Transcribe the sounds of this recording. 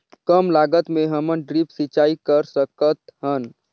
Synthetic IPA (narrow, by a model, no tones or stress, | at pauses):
kəmlaɡət̪meɦəmənɖɾipsit͡ʃaikəɾsəkət̪ɦən